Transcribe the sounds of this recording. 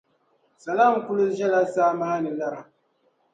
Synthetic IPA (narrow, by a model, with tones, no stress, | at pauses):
sa˨la˦˨mkʊ˦lʊ˦ʒɛ˦la˦saː˦ma˦a˦nɨ˨la˦ɾa˨